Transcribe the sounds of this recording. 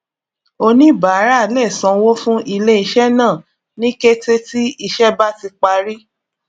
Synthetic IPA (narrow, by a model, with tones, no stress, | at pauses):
o˧nĩ˦ba˨˦ɾa˦˨lɛ˦˨sã˨˧wo˦fũ˦ʔi˧le˦i˧ʃɛ˦nãː˦˨ | nĩ˦ke˦te˦ti˦i˧˨ʃɛ˦ba˦ti˧k͡pa˧ɾi˦